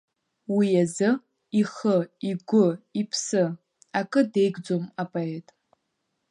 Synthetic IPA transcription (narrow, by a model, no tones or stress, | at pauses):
wijazɨ | iχəiɡʷʊipʰsɨ | akʼɨde̞jɡʷd͡zomapʼaetʼ